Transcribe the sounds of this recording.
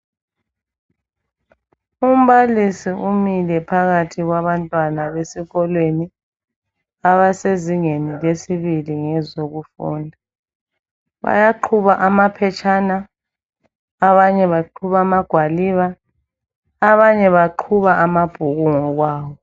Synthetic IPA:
um̩βalisiʔumilɛpʰaɣatʰiɣwaβantʼwanaβesiɣɔlweni | aβaseziŋenilesiβiliŋɛzoɣufṵːndʱa | βa̰jaǃʰuβaʔamapʰɛt͡ʃʼʰana | βaɲɛβaǃʰuβamaɡ̥ʱwaliβa | βaɲɛβaǃʰuβaʔamab̥ʱuɣuŋɔɣwaːwɔ

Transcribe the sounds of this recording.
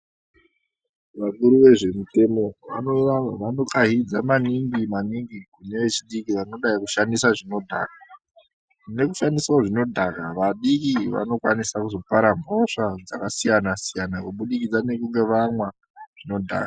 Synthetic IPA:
ʋakuɾuʋe̞ʐe̞mute̞mo̞ʋa̰noaʋano̞kaɦid͡zamaniŋɡimaniŋɡikune̞ʋe̞t͡ʃiɗikiʋano̞ɗaikuʃandisaʐino̞dʱa̰ːka | ne̞ku̥ʃandiswaʐino̞dʱakaʋaɗikiʋa̰no̞kwanisakuzo̞paɾambʱoʂad͡zakasijanasijanakuɓuɗikid͡zane̞kuŋɡe̞ʋamwa | ʐ̥ino̞dʱa̰ːka

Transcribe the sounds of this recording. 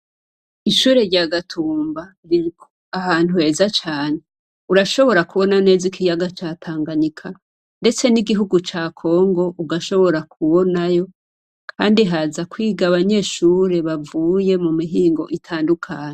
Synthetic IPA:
iʃuːɾe̞ɾɟaɡatʰuːmba | ɾiikʰoahaːn̥uheːzat͡ʃaːne | uɾaʃo̞βo̞ɾakuβo̞nane̞ːzikʰijaɡat͡ʃaːtʰaːŋɡanikʰa | nde̞t͡se̞niɡiɦuɡut͡ʃaːkʰo̞ːŋɡo̞ʔuɡaʃo̞βo̞ɾakʰuβo̞najo̞ | kʰaːndiɦazakwiːɡaβaɲe̞ʃuːɾe̞βavuːje̞mumiɦiːŋɡo̞̰ʔitʰaːndukʰaːɲe

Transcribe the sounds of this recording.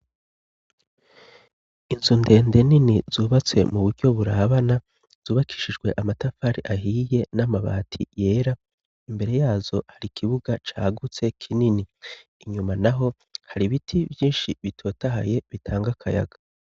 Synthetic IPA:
inzunde̞ːnde̞niniz̥uːβat͡swe̞̰muβuɾɟo̞βuɾaβana | z̥uːβakʰi̥ʃid͡ʒɡwe̞ʔamatafaːɾiʔaɦije̞namaβa̰ːtʰḭje̞ːɾa | imbe̞ɾe̞jaːzo̞haɾikʰiβuɡat͡ʃaːɡut͡se̞kʰininiː | ɲumanaɦo̞ | haɾiβitʰibjiːnʃiβitʰo̞ːtaɦa̰je̞βitʰaːŋɡakʰaja̰ɡ̥a

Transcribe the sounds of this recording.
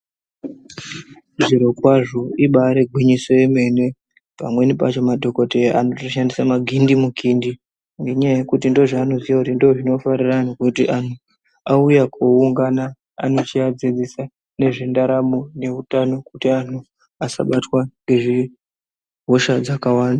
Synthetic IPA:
ʐiɾo̞kwaʐo̞iɓaɾe̞ɡʱwiɲiso̞jeme̞ne̞ | pamwe̞nipa̰t͡ʃo̞madʱo̞ko̞teanotoʃandisamaɡʱindimukʰindi | ŋɡe̞ɲajaje̞kutindo̞ʐaːno̞ziʋakutindo̞ʐino̞fariranikutiʔan̤u | aujakʰouŋɡana̰ː | no̞t͡ʃiad͡zed͡zisa | ne̞ʐindaɾamone̞utano̞kutian̤u | asa̰ɓatwaŋɡe̞ʐi | ɦo̞ʃad͡zakawaːnda

